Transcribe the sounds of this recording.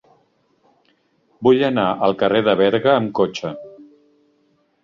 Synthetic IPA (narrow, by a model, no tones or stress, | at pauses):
bujənaʔəlˠkəreðəβ̞ɛɾɣəːmkot͡ʃə